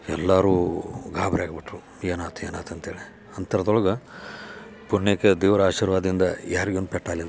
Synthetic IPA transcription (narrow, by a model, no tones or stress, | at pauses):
ɛ̰lːaːɾuːɡʱaːbʱɾeaːɡbiʈɾu | eːnaːt̪ʰujeːnaːt̪ɐnt̪eːɭi | ɐnt̪ɐɾɐd̪ɔɭɐɡɐ | puɳjekːed̪iːʋɐɾaːʃiːɾʋaːd̪ɐind̪ɐjaːɾiɡond̪upɛʈːaːlid̪